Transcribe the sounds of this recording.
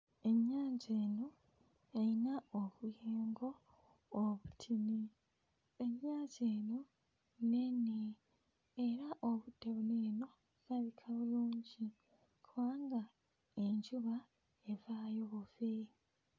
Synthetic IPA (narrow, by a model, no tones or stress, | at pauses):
e̞ɲːaːɲɟeːno | ejinaoβujeːŋɡo̞ː | βutʰini | eɲːaːɲzeːno | neni | eɾaʔoβudeβuneːno̞ | zaβikʰaβuluːɲɟi | kʰuβaːŋɡa | eɲɟuβa | evaːjoβuve